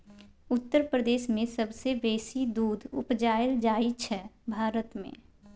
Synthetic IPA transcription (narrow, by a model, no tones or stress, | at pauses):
ʊt̪ːəɾpɾəd̪eːʃmẽsəbsebeːsid̪uːd̪ʱʊ̰pd͡ʒaːjəld͡ʒaːit͡ʃʰɛbʱaːɾət̪mḛ̃